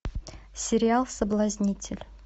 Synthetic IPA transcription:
sʲɪɾʲɪalˠsəblˠazʲnʲitʲʰɪlʲ

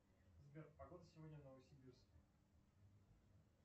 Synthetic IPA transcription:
zbʲerpɐɡod̪əsʲɪvo̞dʲnʲənəvəsʲɪbʲirskʲə

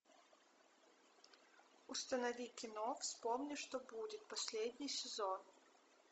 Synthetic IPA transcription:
ust̪ɐnɐvʲikʲɪnɔfsʲpɔmnʲiʂt̪ɔbudʲɪt̪̚pasʲlʲed̪ʲnʲijsʲɪzɔn

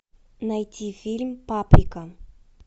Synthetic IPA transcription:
najtʲʰifʲilʲmpapɾʲɪkə

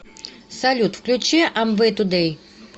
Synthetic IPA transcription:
sɐlʲut̪fklʲut͡ɕɛʔɐmvɨt̪ud̪ɛj

